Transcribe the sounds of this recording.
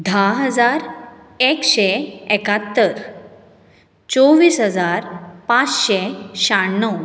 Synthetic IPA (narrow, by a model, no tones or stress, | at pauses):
d̪ʱaɦəd͡zaɾ | ekɕeekat̪ːəɾ | t͡sɔʋiːsɦəd͡zaɾpat͡sɕeɕaːəw